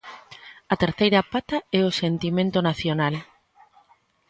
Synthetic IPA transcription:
ɐt̪eɾθejɾapat̪aɛosent̪imẽnt̪onaθjonal

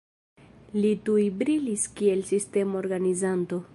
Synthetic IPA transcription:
litujbɾiliskie̞lsiste̞mooɾɡanizanto̞

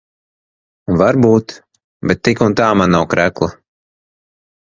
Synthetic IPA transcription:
vaɾbuːt̪ | bɛt̪ːikunt̪aːmanːawkɾæklˠa

